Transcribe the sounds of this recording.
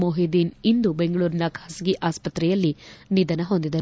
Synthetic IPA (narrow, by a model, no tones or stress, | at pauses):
moːɦid̪iːnind̪ube̞ŋɡɐɭuːɾinɐkʰaːsɐɡiʔaːspɐt̪ɾɛjɐlːinid̪ɐnɐɦo̞nd̪id̪ɐɾ